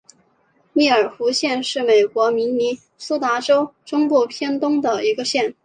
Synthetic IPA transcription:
mi˥˩ə˞˨˩xu˧˥ɕjɛ˥˧nʂɻ̩˥˩me˨˩ɪkwɔ˧˥mi˧˥nni˧˥ | su˥t̪a˧˥ʈ͡ʂo˥ʊʈ͡ʂʊ˥ŋpu˥˩pʰjɛ˥nt̪ʊ˥ŋd̪ə˨i˧˥ɡə˧ɕjɛ˥˩n

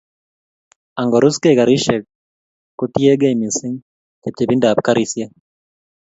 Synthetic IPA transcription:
a˨ŋɡɔ˨ɾʊ˦ske˦˨ka˨ɾi˦ʃɛ˨kː | o˦ti˦e˦ɡa˦i˨mi˨sɪ˦ŋ | ke˨p̚t͡ʃe˨bi˦nda˨pka˦ɾi˦sje˦

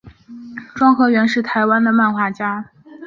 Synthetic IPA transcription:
ʈ͡ʂwɑ˥ŋxɤ˧˥ɥɛ˧˥nʂɻ̩˥˩t̪ʰa˧˥ɪwa˥nd̪ə˨ma˥˧nxwa˥˩t͡ɕja˥

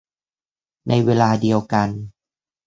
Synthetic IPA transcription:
nʔa˧jweː˧laː˧di˨˧əwka˧n

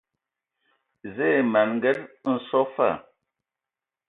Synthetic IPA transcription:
ze˦˨ma˨nŋɡɛ˦tn̩˨sɔ˦fa̰˦˨

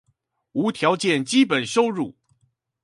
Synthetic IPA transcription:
u˧˥t̪ʰjɑ˧˥ʊt͡ɕjɛ˥˩nt͡ɕi˥pə˨˩nʂo˥ʊɻu˥˩

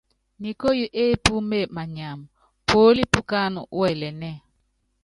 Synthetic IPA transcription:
ni˨ko˦ju˦ʔe˦pu˦me˦˨ma˨ɲa˨m | po˦li˦pu˦ka˦n˨˦wɛ˨lɛ˨nɛ˦

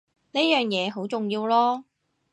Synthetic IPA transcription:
ne˥jœː˨˩ŋjɛː˨˧ɦo˨˥wt͡sʊ˨ŋjiː˧wlɔː˥

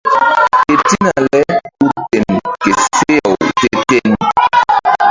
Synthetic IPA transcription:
ke˨ti˦na˨lɛ˦u˦te˨nke˨se˦a˨wte˦te˦n

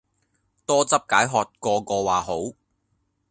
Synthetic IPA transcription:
t̪ɔː˥t͡sɐ˥p̚kaː˨˥jɦɔː˨t̚kɔː˧kɔː˧waː˨ɦo˨˥w

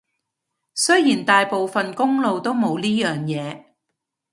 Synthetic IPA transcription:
sɵ˥jiː˨˩nt̪aː˨jpo˨wfɐ˨nkʊ˥ŋlo˨wt̪o˥wmo˨˧wliː˥jœː˨ŋjɛː˨˧

